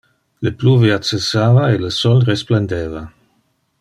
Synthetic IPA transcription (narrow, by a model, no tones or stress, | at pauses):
ləpluːveat͡sesaːvaeləsɔlrespland̪eːva